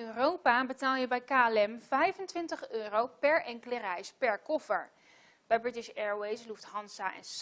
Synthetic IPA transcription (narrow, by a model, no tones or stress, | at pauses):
ørowpaːbətaːlˠjəbɛjkaːɛlɛmv̥ɛjvəntʋɪntəχøːrowpɛɹɛŋkələrɛjspɛɹkɔfəɹ | b̥ɛjbɹɪtɪʃɛɹwejsluftɦɑnsaʔɛ̰ns